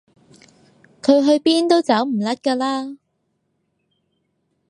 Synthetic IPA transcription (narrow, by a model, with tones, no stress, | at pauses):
kʰɵ˨˧ɥɦɵ˧ɥpiː˥nt̪o˥wt͡sɐ˨˥wm̩˨˩lɐ˥t̚kaː˧laː˥